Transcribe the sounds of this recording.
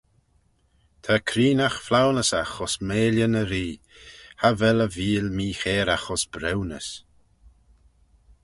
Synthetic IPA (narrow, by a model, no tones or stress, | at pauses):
t̪ʰakʰɾiːnaxflawnəsaxɔsmeːljənəɾiː | havɛləviːlmiːxeːɾaxɔsb̥ɾɛwnə̰s